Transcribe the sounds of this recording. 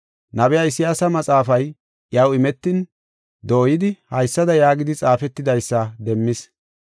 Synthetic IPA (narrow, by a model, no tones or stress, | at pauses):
nɐbɛjaɪsɪjaːsɐmɐt͡sʼaːfɐj | jɐwɪmɛt̪ːɪn | d̪oːjɪd̪ɪhɐjsːɐd̪ɐjaːɡɪd̪ɪt͡sʼaːfɛt̪ːɪd̪ɐjsːɐd̪ɛmːɪs